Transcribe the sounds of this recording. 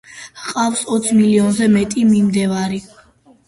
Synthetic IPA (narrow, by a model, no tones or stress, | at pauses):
qʼafsɔt̪sʰmiliɔnzɛmɛt̪ʼimimd̪ɛvaɾi